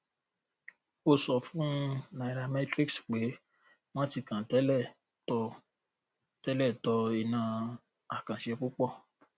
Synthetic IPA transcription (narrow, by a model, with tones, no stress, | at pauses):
o˦˨sɔ˨fũ˦na˨ɾa˧mɛ̃˦tɾi˦ksk͡pe˨˦ | w̃ɔ̃˦ti˧kã˨tɛ˨˦lɛ˦˨ | tɔ˧ | tɛ˦lɛ˦˨tɔ˧i˨nã˧ | a˨kã˨ʃɛ˧k͡pu˦k͡pɔ˦˨